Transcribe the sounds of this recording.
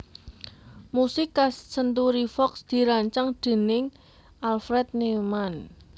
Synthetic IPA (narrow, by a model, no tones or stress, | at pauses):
musɪkːassənt̪uɾifɔksd̪̥i̤ɾaɲt͡ʃaŋɖ̪̥e̤nɪŋ | alfɾɛt̪̚neman